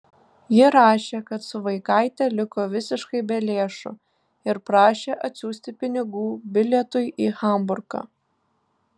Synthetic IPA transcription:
jɪɾɑːʃʲeːkɐt̪sʊʋɐɪkɐɪt̪ʲɛlʲɪkoːʋʲɪsʲɪʃkɐɪbʲɛlʲeːʃʊ̰ | ɪɾpɾɑːʃʲeːʔɐt̪ʲsʲuːsʲt̪ʲɪpʲɪnʲɪɡuːbʲɪlʲɛt̪ʊɪʔiːxɐˑmbʊɾkɑ̰ː

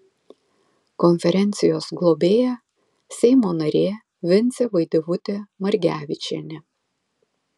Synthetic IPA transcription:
kɔnʲfʲɛɾʲɛnʲt̪sʲɪjoːsɡlˠɔbʲeːjæ | sʲɛɪmoːnɐɾʲeː | ʋʲɪnʲt̪sʲɛʋɐɪd̪ʲeʋʊt̪ʲemɐɾʲɡʲæːʋʲɪt͡ʃʲḛnʲɛ

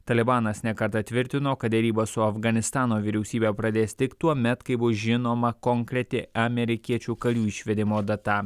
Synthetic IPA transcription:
t̪ɐlʲɪbɑːnɐsnʲɛkɐɾt̪ɐt̪ʲʋʲɪɾʲt̪ʲɪnoːkɐt̪̚d̪ʲɛɾʲiːbɐsʊɐfɡɐnʲɪst̪ɑːnoːʋʲɪɾʲɛʊsʲiːbʲɛːpɾɐd̪ʲeːsʲt̪ʲɪkt̪uɔmʲɛt̪kɐɪbʊsʒʲɪnoːmɐkɔŋkɾʲɛt̪ʲɪʔɐmʲɛɾʲɪkʲiɛt͡ʃʲuːkɐlʲuːɪʃʲʋʲɛd̪ʲɪmoːd̪ɐt̪ɑː

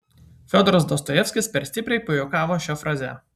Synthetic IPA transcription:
fʲoːd̪ɔɾɐsd̪ɔst̪ɔjɛfʲsʲkʲɪspʲɛɾsʲt̪ʲɪpʲɾʲɛɪpʊjokɑːʋoːʃʲɛfɾɑːzʲɛ̰ˑ

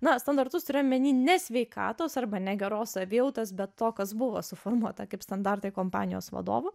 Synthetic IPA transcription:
nɐst̪ɐnd̪ɐrt̪ʊst̪ʊɾʲeːjomʲɛnʲiːnʲɛsʲʋʲɛɪkɑ̰ːt̪oːsɐrbɐnʲɛɡʲɛɾoːsɐʋʲɪjɛʊt̪ɐsbʲɛt̪toːkɐsbʊʋo̰ːsʊfoːrmuɔt̪ɐkɐɪpst̪ɐnd̪ɑrt̪ɐɪkoːmpɑːnʲɪjo̰ːsʋɐ̰d̪o̰ːʋʊ

